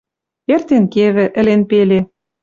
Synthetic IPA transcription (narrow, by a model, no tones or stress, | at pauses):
ert̪enkeβɘ̆ʔɘ̆lenpele